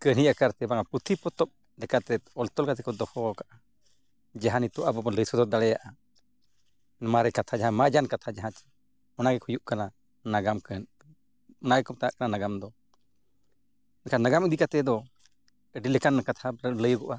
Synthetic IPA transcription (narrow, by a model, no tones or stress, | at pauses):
kəniʔakaɾt̪ɛbaŋapɾut̪ʰipɔt̪ɔp̚ | lɛkaɾt̪ɛɔlt̪ɔlkat̪ʰɛ̥kɔd̪ɔhɔkaʔa | d͡ʒaɦanit̪ɔʔabɔbɔləjsɔd̪ɔd̪aɽɛjaʔa | nmaɾɛkat̪ʰad͡ʒaɦãmad͡ʒankat̪ʰad͡ʒaɦãt͡ʃɛ̥ | ɔnaɡɛkʰujuʔkana | naɡamkən | ɔnaɡɛkɔm̚t̪aaʔkananaɡamd̪ɔ | nkʰanaɡamid̪ikat̪ɛd̪ɔ | əɖilɛkanːakat̪ʰaləjɡɔʔa